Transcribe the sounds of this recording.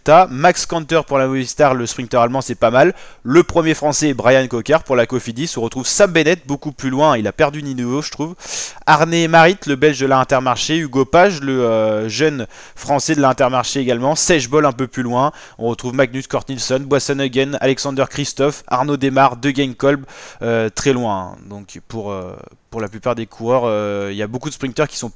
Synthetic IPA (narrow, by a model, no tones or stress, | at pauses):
t̪amakskɑ̃nt̪œʁpuʁlamɔvist̪aʁləspχiŋt̪œʁalmɑ̃sɛpamalːəpχəmjefχɑ̃sɛɛbʁajankɔkʲaʁpuʁlakɔfid̪isɔ̃ʁət̪χuv̥sabbenɛt̪̚bokuplylwɛ̃ilapɛʁd̪yninuvoʒət̪χuvaʁnemaʁit̪ləbɛlʒd̪əlaɛ̃t̪ɛʁmaʁʃeyɡopaʒləøʒœn | fχɑ̃sɛd̪əlaɛ̃t̪ɛʁmaʁʃeːɡalmɑ̃sɛʒbɔlɛ̃pøplylwɛ̃ | ɔ̃ʁət̪χuvmaɡnyskɔʁt̪nilsɔnbwasɔnəɡɛna̰lɛksɑ̃d̪œʁkχist̪ɔfa̰ʁnod̪emaʁd̪əɡʲɛŋkɔlbøt̪χɛlwɛ̰̃d̪ɔ̃kpuʁø̰puʁlaplypaʁd̪ekʰuʁœʁøiljabokud̪əspχĩŋk̚t̪œʁkʲi̥sɔ̃